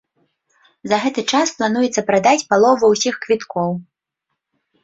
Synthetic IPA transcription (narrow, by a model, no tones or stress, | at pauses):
zɐɣɛt̪ɨt͡ʂasplˠan̪ujɛt̪sːɐpɾad̪at͡sʲpalˠɔvɐwsʲixkvʲit̪kɔw